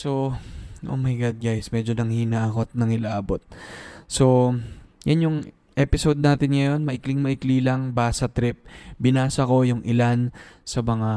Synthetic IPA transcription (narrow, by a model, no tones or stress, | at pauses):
so̞ʔo̞̰wmɐjɡad̪̚ɡajsmɛd͡ʒo̞nɐŋhinakot̪̚nɐŋɪlaaːbo̞t̪̚so̞janjʊŋ | ʔɛpɪsod̪̚naːt̪ɪnŋɐjo̞nmɐʔɪklɪŋmɐʔɪkliːlɐŋbaːsɐt̪ɾɪp̚bɪnaːsɐko̞jʊŋʔɪlansɐmɐŋa